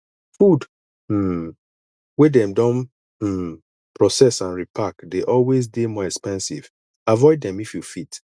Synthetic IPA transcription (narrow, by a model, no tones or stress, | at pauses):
fud̩ | wedɛ̃mdɔ̃n̩ | pɹɔsɛsãnɹipʰakdeʔɔlwez̬demɔɛkspɛ̃nsḭv̥ | avɔɪdːɛ̃mifjufit